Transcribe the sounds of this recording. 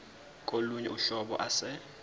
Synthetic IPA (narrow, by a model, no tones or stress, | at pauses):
kʼoluɲɛ̰uɬɔɓɔ̰ʔasɛ